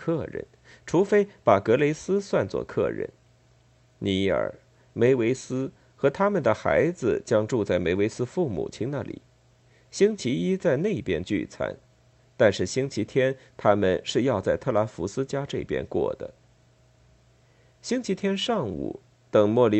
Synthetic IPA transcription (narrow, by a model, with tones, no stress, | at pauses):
kʰɤ˥˧˩ɻə̰˧˥˦n | ʈ͡ʂʰu˧˥fe˥ɪpa˨˩kɤ˧˥le˧˥ɪsɹ̩˥swa˥˧nt͡swɔ̰˥˧˩kʰɤ̰˥˧ɻə̰˧˩n | ni˧˥ə̰˞˨˩ | me˧˥ɪwe˧˥ɪsɹ̩˥ | xɤ˧˥t̪ʰa˥mə˨nd̪ə˩xa˧˥ɪd͡zɹ̩˧t͡ɕjɑ˥ŋʈ͡ʂu˥˧t͡sa˥˩ɪme˧˥ɪwe˧˥ɪsɹ̩˥fu˥˩mṵ˨˩t͡ɕʰi˥ŋna˥˩lḭ˨˩˦ | ɕi˥ŋt͡ɕʰi˧˥i˥t͡sa˥˧ɪne˥˩i˧˨pjɛ̰˥nt͡ɕy̰˥˩t͡sʰa̰˧˥n | t̪a˥˧nʂɻ̩˥˩ɕi˥ŋt͡ɕʰi˧˥t̪ʰjɛ˥nt̪ʰa˥mə˨nʂɻ̩˥˧jɑ˥˧ʊt͡sa˥˧ɪt̪ʰɤ˥˩la˧˥fu˧˥sɹ̩˥t͡ɕja˥ʈ͡ʂɤ˥˩i˩pjɛ̰˥nkwɔ̰˥˩d̪ə̰˩ | ɕi˥ŋt͡ɕʰi˧˥t̪ʰjɛ˥nʂɑ˥˩ŋṵ˨˩˦ | t̪ɤ˨˩ŋmwɔ˥˩li˧˥